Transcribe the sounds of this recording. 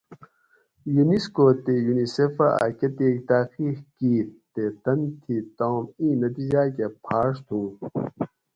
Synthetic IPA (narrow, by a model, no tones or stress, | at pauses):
juniskoːt̪ejuniseːfaa̰kɐt̪eːk̚t̪aːqiːxkiːt̪et̪ɐnt̪ʰiːt̪oːmĩːnɐt̪id͡ʑaːkepʰaːʂt̪ʰũː